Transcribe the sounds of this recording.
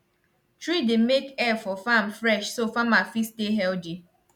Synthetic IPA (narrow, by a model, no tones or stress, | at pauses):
tɹidemekɛfɔfamfɾɛʃsofamafisteɦɛld͡ʒi